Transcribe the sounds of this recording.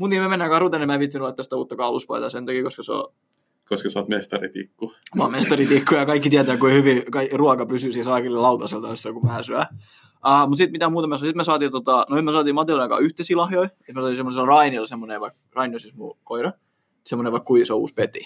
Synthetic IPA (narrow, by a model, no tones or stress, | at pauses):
mut̪niːmæmenːæːkɑrut̪enemæːpit̪ːænyolːet̪ːæst̪æuːt̪ːɑkɑːluspɑ̰it̪ɑ̰sent̪ɑkiːˑkoskɑseo̰ | koskɑsɑ̰t̪mest̪ɑrḭt̪ḭkːuɑmest̪ɑrit̪ikːujɑkɑikːit̪iæt̪æːkuhyʋikɑiruɑkɑpysyːsiːsɑˑːkilːelɑut̪ɑselt̪ɑosːɑkumæhæsyæ | ɑːmut̪sit̪mit̪æmuːt̪ɑmæssit̪mæs̬ɑːt̪iːt̪ot̪ɑnoemæˑsɑːt̪iːmɑt̪ilɑnɑkɑ̰yht̪esiːlɑhjoiet̪mæsɑːt̪iːsemonslrɑinilsemːoneʋɑik | rɑiniosismṵkoiɾɑ | semːoneʋɑikkuiseoṵːspet̪i